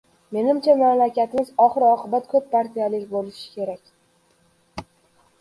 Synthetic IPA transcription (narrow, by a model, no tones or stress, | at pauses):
me̞nɪmt͡ʃʰamamlakʲat̪ɪmɪzɒχɨɾɒqʰɨbat̪kʰɵp̚pːaɾt̪ʰijalɪkʲbolɪʃɪ̥kʲʰe̞ɾakʲ